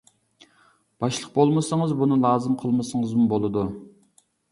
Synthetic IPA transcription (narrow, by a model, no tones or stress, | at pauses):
b̥ɑʃlˠəq̚bolˠməsəŋəzbunɨlˠɑːzɨmqʰəlˠmɨsəŋəzmubolˠɨd̪u